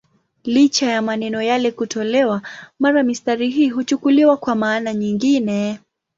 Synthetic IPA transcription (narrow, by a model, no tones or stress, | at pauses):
lit͡ʃajamanɛnɔjalɛkutʰɔlɛwamaɾamistaɾiɦiːɦut͡ʃukuliwakwamaːnaɲiŋɡinɛ